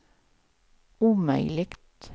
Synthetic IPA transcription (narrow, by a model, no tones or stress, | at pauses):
ʉːmœ̰ʏlɪkt̪